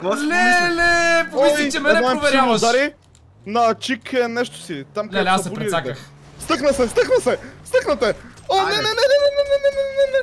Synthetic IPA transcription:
ɔnɛnɛpɔimɛɛmɔɛmvɛɾad̪aɾi | nɐt͡ʃikɛnɛʃt̪o̥sit̪amkɐɛaɐbuɾiak̪ɛ | st̪əknɐsɛst̪ɤxnɐsɛst̪əknɐt̪ɛɔnɛnɛnɛnɛnɛnɛnɛnɛnɛɛnɛnɛ

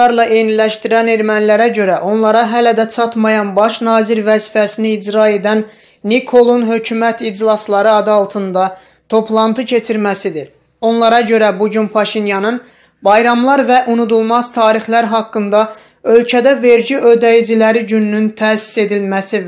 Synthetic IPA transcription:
ɑɾlˠɑʔe̞nilæʃt̪iɾæneɾmænlæɾæɟø̞ɾæʔo̞nlˠɑɾɑɦælæd̪æt͡ʃʰɑt̪mɑjɑnbɑʃnɑːziɾvæzifæsiniːd͡ʒɾɑe̞d̪ænː | ikʰo̞lˠunɦø̞cʰymæt̪ʰid͡ʒlˠɑslˠɑɾɯɑd̪ɑlˠt̪ʰɯnd̪ɑ | t̪ʰo̞pʰlˠɑnt̪ʰɯcʰe̞t͡ʃʰiɾmæsid̪iɾ | o̞nlˠɑɾɑɟø̞ɾæbuɟynpʰɑʃinjɑnɯn | bɑjɾɑmlˠɑɾvæʔunud̪ulˠmɑz̥t̪ʰɑːɾixlæɾɦɑkːɯnd̪ɑ | ø̞lcʰæd̪æve̞ɾɟiø̞d̪æjid͡ʒilæɾiɟynːynt̪ʰæːsi̥se̞d̪ilmæsi

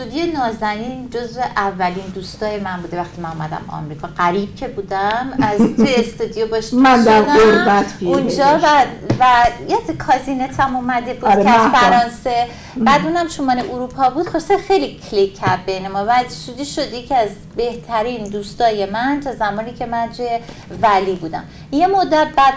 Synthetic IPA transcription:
t̪ud̪ijenɒːzæniːnd͡ʒozve̞ʔævːæliːnd̪uːst̪ɒːjemænbuːd̪e̞væxt̪ʰimænumæd̪æ̰mɒ̰mɾiːkʰɒːɡæɾiːb̥̚cʰe̞buːd̪æmæzt̪ʰeest̪ud̪ijobɒʃi̥mænd̪æɾd̪oɾbæt̪ʰbiund͡ʒɒːævæjet̪ekʰɒːzinet̪ʰæmumæd̪ebuːd̪ɾʰeæzfæɾɒːnse | b̥æːd̪uːnæmʃomɒːneʔuɾupʰɒbuːd̪̥χoɾsexejlikʰlikʰːæbbejnemɒvæʃud̪iʃod̪jecʰiæz | be̞ht̪ʰæɾiːnd̪uːst̪ɒːje̞mænt̪ʰɒːzæmɒːniːcʰe̞mænt̪ʰuje | væliːbuːd̪æ̰m | jemod̪ːæt̪̚bæd̪̥

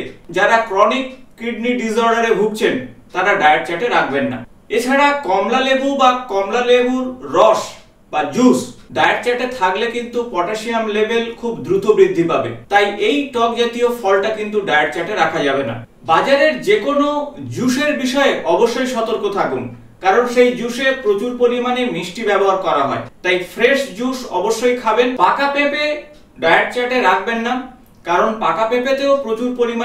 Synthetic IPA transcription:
d͡ʑaɾakɾɔnikːiɖniɖizɔɾɖaɾebʱuk̚t͡ɕʰent̪aɾaɖaeaɾt͡ɕaʈeɾakʰbenːa̰ | et͡ɕʰaɾakɔmlalebubakɔmlalebuɾːɔʃ | bad͡ʑusɖaeaɾt͡ɕaʈet̪ʰaklekint̪upɔʈaʃiamlebelkʰubd̪ɾut̪ʰobɾid̪ʱːipabḛt̪ajʔejʈɔk̚d͡ʑat̪iofɔlʈakint̪uɖaeaɾt͡ɕaʈeɾakʰad͡ʑabena̰ | bad͡ʑaɾeɾd͡ʑekonod͡ʑuʃeɾbiʃɔeʔɔboʃːojʃɔt̪oɾkot̪ʰakun | kaɾonʃejd͡ʑuʃepɾot͡ɕuɾpoɾimanemiʃʈibɛboɦaɾkɔɾaɦɔ̰et̪ajfɾeʃd͡ʑuʃɔ̰boʃːojkʰabenpakapepe | ɖajaɾt͡ɕaʈeɾakʰbenːa | kaɾonpakapepet̪eopɾot͡ɕuɾpoɾima

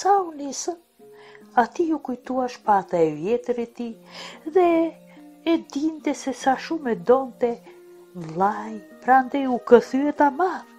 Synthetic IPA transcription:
saunisə | at̪iukujt̪uaʃpat̪aɛvjɛt̪əɾit̪iðɛ | ɛd̪int̪ɛsɛsaʃumɛd̪ɔnt̪ɛ | vlˠajpɾand̪ɛjukəθyɛt̪amað

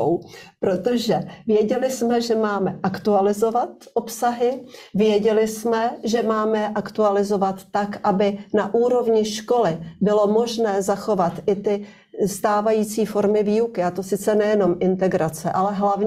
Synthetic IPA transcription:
wpɾot̪o̞ʒɛvjɛɟɛlɪsmɛʒɛmaːmɛʔakt̪ualɪzo̞vat̪ʔo̞psaɦɪvjɛɟɛlɪsmɛʒɛmaːmɛʔakt̪ualɪzo̞vat̪ːakʔabɪnaʔuːɾo̞vɲɪʃko̞lɪbɪlo̞mo̞ʒnɛːzaxo̞vat̪ʔɪt̪ɪ | st̪aːvajiːt͡siːfo̞ɾmɪviːukɪat̪o̞sɪt͡sɛnɛjɛno̞mʔɪnt̪ɛɡɾat͡sɛʔalɛɦlavɲ

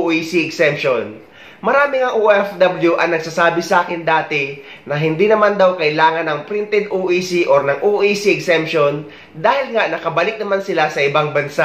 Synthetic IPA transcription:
ʔisiʔɛɡsɛmpʃon | mɐɾaːmɪŋɐŋʔoʔɛfd̪ɐbljuʔɐŋnɐɡ̚sasaːbɪsɐʔaːkɪnd̪aːt̪ɪ | nɐɦɪnd̪iːnɐmand̪ɐwkɐʔɪlaːŋɐnɐŋpɾɪnt̪ɛd̪ʔoːʔisiʔoɾnɐŋʔoʔiːsiɛɡsɛmpʃo̞n | d̪aːhɪlŋaʔnɐkɐbɐlɪk̚nɐmansɪlasɐʔɪbaŋbɐnsaʔ

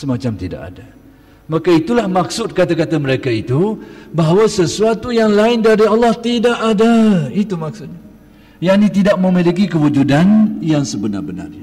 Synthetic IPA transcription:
səmat͡ʃamt̪ida̰ʔa̰da | makait̪ulahmak̚sʊt̪̚kat̪akat̪aməɾekait̪ubaɦawasəsuat̪ujaŋlaɪndaɾialːɑht̪idaʔadait̪umak̚sʊt̪̚ɲa | janit̪idaʔ̚məmilik̬ikəwud͡ʒudanjaŋsəbəna̰rbəna̰ra

